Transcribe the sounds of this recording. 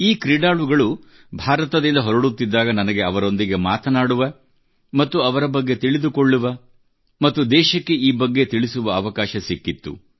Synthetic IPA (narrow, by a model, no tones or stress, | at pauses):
iːkɾiɖaːluɡɐɭu | bʱaːɾɐt̪ɐd̪ind̪ɐɦɔɾɐɽut̪ːid̪ːaːɡɐnɐnɐɡe̞ɐʋɐɾo̞nd̪iɡe̞maːt̪ɐnaːɽuʋɐ | mɐt̪ːuɐʋɐɾɐbɐɡːe̞t̪iɭid̪ukoɭːuʋɐ | mɐt̪ːud̪ɛːʃɐkːe̞ʔiːbɐɡːe̞t̪iɭisuʋɐːʋɐkaːʃɐsikːit̪ːṵ